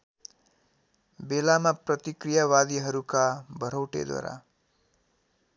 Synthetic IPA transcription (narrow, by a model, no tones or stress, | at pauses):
belamaprʌt̪ikrijawad̪iɦʌɾukabʱʌɾʌwʈḛd̪wa̰ɾa̰